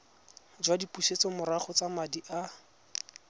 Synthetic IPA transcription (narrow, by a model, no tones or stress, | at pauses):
d͡ʒwadipuʃet͡sɔmʊɾaχɔt͡samadiʔa